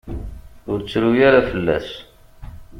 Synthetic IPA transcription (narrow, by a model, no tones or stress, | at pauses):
ʊɾt͡sːɾujaɾafəlːæ̰s